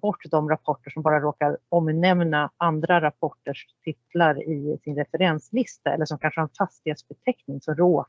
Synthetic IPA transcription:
bɔʈːd̪ɔmɾapʰɔʈːəʂɔmbɑːɾaɾoːkaɾɔmnɛmnaand̪ɾaɾapʰɔʈːəʂt̪ʰɪt̪laɾɪsɪnɾɛfɛɾɛnslɪst̪aɛ̰lːəʂɔmkʰanʂəhaɾɛnfast̪ɪhet̪sbɛt̪ʰɛknɪŋsɔmɾoː

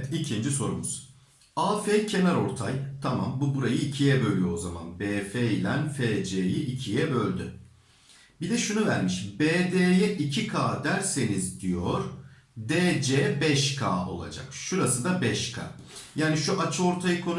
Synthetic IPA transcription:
t̪icʰind͡ʒiso̞ɾumuz̥ | aːfeːcʰe̞næɾo̞ɾt̪ʰajt̪ʰama̰mbubuɾajɯicʰijɛbø̞lʲyjozama̰nbeːfeːlʲænfeːd͡ʒeːjiʔicʰijɛbø̞lʲd̪y̰ | bid̪ɛʃunuvæɾmiʃbeːd̪eːjɛʔicʰikʰaːd̪æɾse̞nizd̪ijo̞ɾ̥ | d̪eːd͡ʒeːbɛʃkʰa̰ːo̞̰lˠa̰d͡ʒa̰kʃuɾasɯd̪abɛʃkʰa̰ːjaːniʃuʔat͡ʃʰɯo̞ɾt̪ʰajɯkʰo̞n

